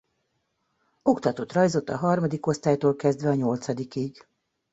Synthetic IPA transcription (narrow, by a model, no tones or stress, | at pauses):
o̞kt̪ɒt̪ot̪rɒjzo̞t̪ːɒɦɒrmɒd̪iko̞st̪aːjt̪oːlkɛzd̪ʋɛɒɲo̞lt̪sɒd̪ikiɡ